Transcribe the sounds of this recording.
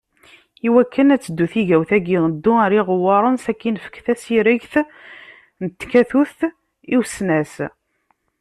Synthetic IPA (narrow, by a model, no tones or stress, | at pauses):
iwækːənæt͡sːəd̪ːuθiʝæwθæɡinəd̪ːuæɾiʁəwːɑɾˤənsækːinfə̥kθæsiɾəʝθ | nət̪ːkæθuθ | iwsnæs